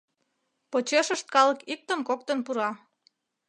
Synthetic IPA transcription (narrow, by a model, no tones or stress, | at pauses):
pot͡ɕeʃəʃt̪̚kɑləkik̚t̪əmkok̚t̪ənpuɾɑ